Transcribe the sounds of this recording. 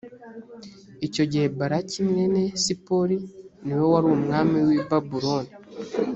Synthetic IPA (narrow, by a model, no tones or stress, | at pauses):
ico̞ɟebaɾacimŋe̞ne̞sipo̞ɾiniwe̞waɾuumŋaːmiwibabuɾoni